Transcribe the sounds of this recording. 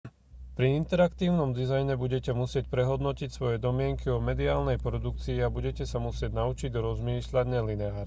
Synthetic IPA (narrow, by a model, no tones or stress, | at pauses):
pɾiint̪ɛɾakt̪iːʊnɔmd̪izajɲɛbuɟɛcɛmusɪɛcpɾɛɦɔd̪nɔcicsʋɔjɛd̪ɔmɪɛŋkiɔmɛd̪iaːlnɛjpɾɔd̪uk̚t͡siːabuɟɛcɛsamusɪɛɟnaut͡ʃiɟɾɔzmiːʃlaɟnɛlinɛaːɾ